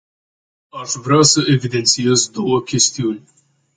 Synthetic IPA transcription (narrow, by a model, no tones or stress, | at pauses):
ɐʃvɾɛsəɛvid̪ɛnt͡ssiasd̪ɔwɐkʲɛst̪ijuːnʲ